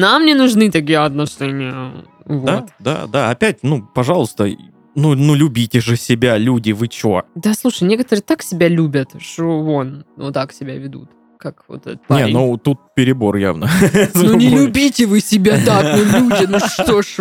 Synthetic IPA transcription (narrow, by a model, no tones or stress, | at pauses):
namnʲɪnʊʐnɨt̪ɐk̬ʲijəɐt̪nɐʂɛnʲɪjə̰ | vod̪ad̪a̰d̪a̰ɐpʲæt̚ʲnupɐʐɑlˠəst̪ə | nunulʲʉbʲitʲɪʐɨsʲɪbʲalʲudʲɪvɨt͡ɕo̰d̪aslˠuʂəjnʲe̞kət̪əɾɨːt̪aksʲɪbʲalʲubʲət̪ʂt̪oonno̰t̪aksʲɪbʲavʲɪd̪ṵt̪ | kakvo̰t̪ɛ̰nʲenut̪ut̪̚pʲɪɾʲɪbo̞rja̰vnəznonʲɪlʲʊbʲitʲɪvɨsʲɪbʲat̪aknolʲudʲɪnoʂʂt̪oʂ